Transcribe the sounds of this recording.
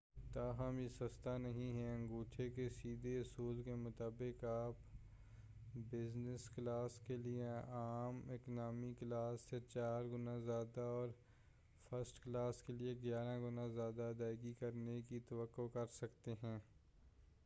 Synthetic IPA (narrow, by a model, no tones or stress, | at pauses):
t̪aːɦəmjesɐst̪anɐɦĩɦɛɐ̃ŋɡuːʈʰekesiːd̪ʱeʊsuːlkemʊt̪aːbɪkaːp | bɪznɪsklaːskelieaːmɪknaːmiklaːsːet͡ʃaːɾɡʊnãzjaːd̪aɔːɾ | fʰəɾsʈklaːskelieɡjaːɾãɡʊnãzjaːd̪ad̪aːɪɡikɐɾnekit̪ɐʋəkːokɐɾsɐkt̪eɦɛ̃ː